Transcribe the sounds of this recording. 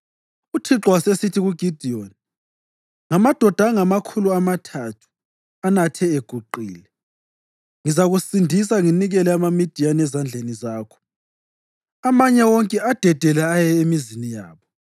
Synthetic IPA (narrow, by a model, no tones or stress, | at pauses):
utʰiǁɔwasesitʰiɣuɡ̥ʱid̥ʱioni | ŋamad̥ʱɔd̥ʱaŋamakʰuluamatʰatʰu̥ | anatʰɛeɡ̥ʱuǃiːlɛ | ŋizaɣusindʱis̬aŋiniɣɛlɛamamid̥ʱijanɛzand͡ɮʱenizaːkʰɔ̥ | amaɲɛwɔŋkʼɛad̥ʱɛd̥ʱɛlɛajɛemizinijaːβɔ